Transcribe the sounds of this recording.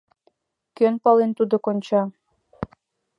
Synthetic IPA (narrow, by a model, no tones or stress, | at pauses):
kønpɑlent̪ud̪okonʲt͡ɕɑ